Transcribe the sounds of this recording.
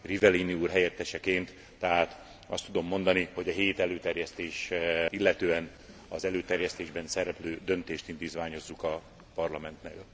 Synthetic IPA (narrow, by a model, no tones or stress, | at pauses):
rivɛliniuːrɦɛjɛt̪ːɛʃɛkeːnt̪ː | ɛɦaːt̪ | ɒst̪ːud̪o̞mːo̞nd̪ɒniho̞ɟɒɦeːt̪ɛløːt̪ɛrjɛst̪eːʃilːɛt̪øːɛn | ɒzɛløːt̪ɛrjɛst̪eːʒbɛnsɛɾɛpløːd̪ø̞nt̪eːʃt̪ind̪iːt̪vaːɲo̞zːukɒ | pɒrlɒmɛnt̪nɛl